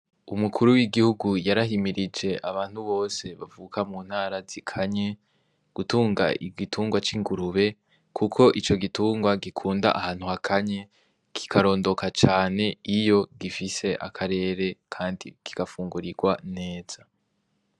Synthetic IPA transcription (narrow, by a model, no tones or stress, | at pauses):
umukʰuɾuwiɡihuɡujaɾahimiɾid͡ʒe̞ʔaβaːnhuβo̞ːse̞βavuːkamuːnhaːɾazikʰaɲe̞ | ɡ̥utuːŋɡa̰ḭɡitʰuːŋɡwat͡ʃiŋɡuɾuβe̞ | kʰukʰo̞ʔit͡ʃo̞ɡituːŋɡwaɡikʰuːnda̰ʔahaːn̥huhakʰaɲe | kʰi̥kʰaɾo̞ːndo̞kʰat͡ʃaːne̞ijo̞ɡifise̞ʔa̰kʰaɾe̞ːɾe̞kʰaːndḭkiɡ̥afuːŋɡuɾiɡwane̞ːz̥a